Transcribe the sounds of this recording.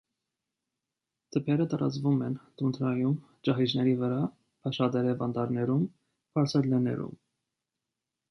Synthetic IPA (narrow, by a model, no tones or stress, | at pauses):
t̪ʰəpʰɛɾət̪ɑɾɑ̰t͡svumɛnt̪unt̪ʰɾɑjum | t͡ʃɑɦid͡ʒnɛɾivəɾɑ | pʰɑʃɑd̪ɛɾɛvɑnd̪ɑɾnɛɾum | bɑɾt͡sʰɛlɛnɛ̰ɾṵm